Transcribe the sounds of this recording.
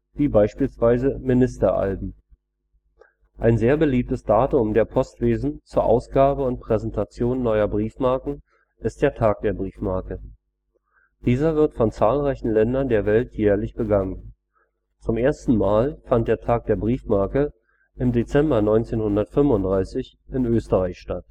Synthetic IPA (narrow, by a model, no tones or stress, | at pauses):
viːbaɪʃpiːlsv̥aɪzəmɪnɪstɐʔa̰lbm̩ | ʔaɪnzeːɐbəliːp̚təsd̥aːtʊmdeːɐpʰɔstv̥eːzn̩t͡suːɐʔa̰ʊsɡ̥aːbəʊntpʁ̥ɛzɛntʰat͡sjoːnːɔʏɐbʁiːfmaɐkŋ̩ | ʔɪst̚d̥eːɐtʰaːk̚d̥eːɐbʁiːfmaɐkə | d̥iːzɐvɪɐtfɔnt͡saːlʁaɪçn̩lɛndɐndeːɐvɛltʰjɛːɐlɪçb̥əɡaŋən | t͡sʊmʔeːɐstn̩maːlfant̚d̥eːɐtʰaːk̚d̥eːɐbʁiːfmaɐkə | ʔɪmdet͡sɛmbɐnɔʏnt͡seːnhʊndɐtfʏmvʊntd̥ʁaɪsɪç | ʔɪnʔøːstəʁaɪçʃtat